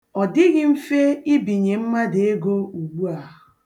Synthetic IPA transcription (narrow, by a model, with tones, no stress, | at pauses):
ɔ˨dɪ˦ɣɪ˨m̩˦fe˦ɪ˦bi˨ɲe˨m̩˦ma˦dɪ˨e˦ɡo˦u˨ɡ͡bu˦a˨ɦʊ˨